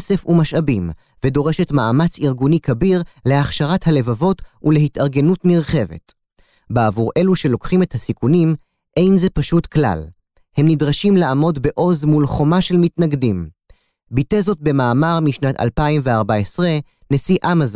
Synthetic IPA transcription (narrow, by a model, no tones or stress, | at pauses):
se̞fumaʃabim | vedo̞ʁe̞ʃe̞tma̰amat͡siʁɡunikabiʁle̞aχʃaʁathale̞vavo̞tule̞hitaʁɡe̞nutmiʁχe̞ve̞̰t | beavuʁʔe̞luʃe̞lo̞kχimethasikunim | ʔe̞jnze̞paʃutkla̰l | he̞mnidʁaʃimlaamo̞dbeʔo̞zmulχo̞maʃe̞lmitnaɡdim | bite̞zo̞t̚be̞maːmaʁmiʃnata̰lpaimveaʁbaesʁe | ne̞siʔamaz